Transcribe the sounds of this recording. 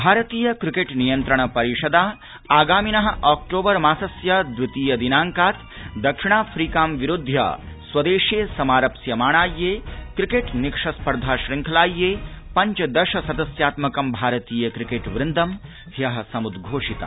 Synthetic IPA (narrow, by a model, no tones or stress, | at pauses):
bʱaːɾɐt̪iːjɐkɾɪkeːʈnijɐnt̪ɾɐɳ̃ɐpɐɾiʂɐd̪aː | aːɡaːminɐɦɐ̆ʔaːk̚ʈoːbɐɾmaːsɐsjɐd̪ʋut̪iːjɐd̪inaːŋkaːt̪ | d̪ɐkʂiɳ̃aːfʰɾiːkaːmʋiɾud̪ʱjɐ̰ | sʋɐd̪eːʃeːsɐmaːɾɐpsjɐmaːɳ̃aːjːeːkɾikeʈnɪkʂɐspɐɾd̪ʱaːʃɾɪŋkʰɐlaːjːeːpɐɲt͡ʃɐd̪ɐʃɐsɐd̪ɐsjaːt̪mɐkɐmbʱaːɾɐt̪iːjɐkɾikeːʈʋɾɪnd̪ɐm | ɦ̪jɐɦɐsɐmud̪ɡʱoːʂit̪a̰